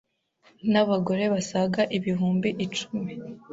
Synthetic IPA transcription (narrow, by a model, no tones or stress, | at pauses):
naβaɡo̞ɾe̞βasaɡaʔiβiɦuːmbiʔːt͡ʃu̥mi